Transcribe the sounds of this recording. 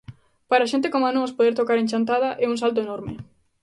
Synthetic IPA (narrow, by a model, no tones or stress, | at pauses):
paɾaʃ̬ent̪̬ekomanospoðeɾt̪okaɾenʲt͡ʃant̪aðaʔɛuŋsalt̪̬oenɔɾme